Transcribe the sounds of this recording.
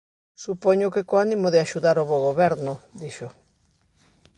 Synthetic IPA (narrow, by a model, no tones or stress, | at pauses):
supoɲʊkekoanĩmoðɪaʃuðaɾoβoɣoβɛɾnʊd̪iʃo